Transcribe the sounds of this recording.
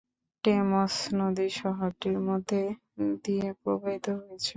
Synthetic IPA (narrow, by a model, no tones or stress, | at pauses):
ʈemɔsnod̪iʃɔɦoʈiɾmod̪ʱːe | d̪iepɾobait̪ːoɦojet͡ɕʰe